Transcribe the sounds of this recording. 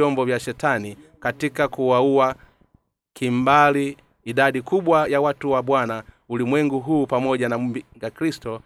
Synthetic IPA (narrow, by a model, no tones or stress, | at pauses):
ɔmbɔvjaʃɛtanikatikakuwauwa | kʰimbaliː | dadikubwajawatuwabwanaulimwɛŋɡuɦuːpamɔɟanamumbiŋɡaklistɔ